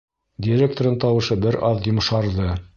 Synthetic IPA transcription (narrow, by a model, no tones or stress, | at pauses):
dʲiɾʲek̚t̪oɾɤɴt̪ɑwɤ̆ʃɤbɘɾʔɑðjŏmʃɑɾðɤ